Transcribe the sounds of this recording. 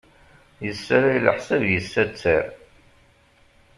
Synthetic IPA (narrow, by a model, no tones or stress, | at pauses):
jəsːæɾajlə̰ħsævjəsːæt͡sːə̰ɾ